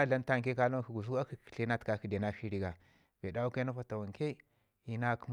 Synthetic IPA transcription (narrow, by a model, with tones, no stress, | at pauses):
a˦la˦n˦ta˦ŋ˨ke˦ka˦lo˦ki˨ɡu˨s̬u˦a˦ki̥˨ɬe˦na˦tka˦ki˨de˨na˦fi˦ɾi˦ɡa˨ | v̥e˨da˦u˦ke˦na˦fa˨ta˨wa˨ŋke˦ | i˦na˦km